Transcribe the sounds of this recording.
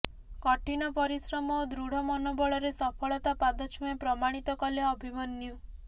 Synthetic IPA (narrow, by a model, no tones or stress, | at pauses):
kɔʈinɔpɔɾisɾɔmɔd̪ɾuɽ̤ɔmɔnobɔɭɔɾesɔpʰɔɭɔt̪apad̪ɔt͡ʃʰuepɾɔmaɽ̃it̪ɔkɔljɔːbʱimɔnːjɔ